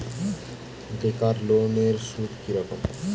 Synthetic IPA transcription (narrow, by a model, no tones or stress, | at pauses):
ɖekaɾloneɾʃud̪kiɾɔkom